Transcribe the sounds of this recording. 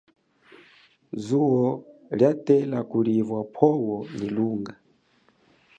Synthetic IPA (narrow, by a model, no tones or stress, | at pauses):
zuwɔljatɛlakulivwapʰɔwɔniluːŋɡa